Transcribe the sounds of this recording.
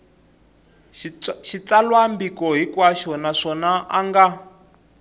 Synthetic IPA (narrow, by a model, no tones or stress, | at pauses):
ʃit͡salwambikɔɦikwaʃɔnaʂɔnaʔaŋɡa